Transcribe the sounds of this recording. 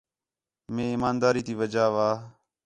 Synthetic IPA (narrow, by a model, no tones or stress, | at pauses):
mẽːiːmaːnd̪aːɾiːt̪iːʋəd͡ʒaːʋaː